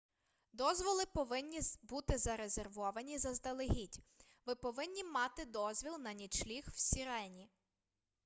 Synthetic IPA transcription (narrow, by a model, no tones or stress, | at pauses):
d̪ɔzʋɔlˠɪpɔʋɪnʲːibut̪ɪzɐɾezerʋɔʋɐnʲizɐzd̪ɐlˠɪɦʲitʲ | ʋɪpɔʋɪnʲːimɑt̪ɪd̪ɔzʲʋʲilˠnɐnʲit͡ʃlʲixwsʲiɾɛnʲi